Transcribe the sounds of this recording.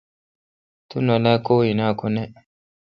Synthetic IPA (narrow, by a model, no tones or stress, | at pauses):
t̪unɔlakoːinakunɛ